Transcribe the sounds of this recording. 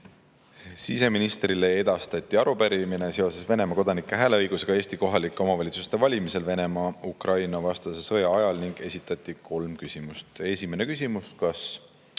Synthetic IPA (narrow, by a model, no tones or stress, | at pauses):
sise̞minist̪rile̞e̞d̪̥ɑst̪ɑt̪ʲːˑiɑɾupæɾimine̞se̞o̞se̞sve̞ne̞mɑko̞d̪ɑnikːˑeɦæːle̞ɤjɡ̥use̞ɡ̥ɑe̞ːst̪iko̞ɦɑlikːˑeo̞mɑvɑlʲit̪sust̪e̞vɑlʲimise̞lve̞ne̞mɑukrɑjnɑvɑst̪ɑse̞sɤ̞jɑɑjɑlniŋɡ̥e̞sʲit̪ːˑɑt̪ʲˑːikʰo̞lmkysʲimust̪e̞sʲime̞ne̞kysʲimuskɑs